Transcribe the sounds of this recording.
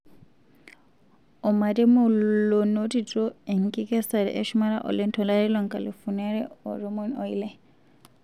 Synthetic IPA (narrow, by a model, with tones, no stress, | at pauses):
ɔ˨ma˨tɛ˦mɔ˦˨lo˨no˦ti˨tʼɔ˦ɛ˨ŋkʼi˦kɛ˦sa˨ɾɛ̰˨ʔɛ˦ʃuma˦ɾa̰˦ʔɔ̰˨lɛ˦n˦tʰɔ˨la˦ɾɛ˦lɔ˦ŋkʼa˨li˨fu˨na˦ɾɛ˦ɔ̰ɾɔ˦mɔ˦nɔ˦i˦lɛ˦